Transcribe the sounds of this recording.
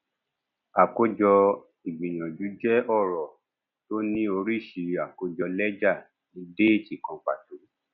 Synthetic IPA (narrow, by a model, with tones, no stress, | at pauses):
a˨ko˦d͡ʒɔ˧ | i˨ɡ͡bĩ˨j̃ã˨d͡ʒu˨˦d͡ʒɛ˦ɔ˦˨ɾɔ˨ | to˦nĩ˦o˧ɾi˦˨ʃi˨a˨ko˧d͡ʒɔ˧lɛ˦d͡ʒa˦˨ | nĩ˨˦de˦i˦˨ti˨kã˧k͡pa̰˨tu˨˦